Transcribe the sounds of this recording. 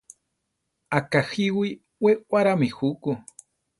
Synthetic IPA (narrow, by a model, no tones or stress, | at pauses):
akaxiwi | wewaɾamixuku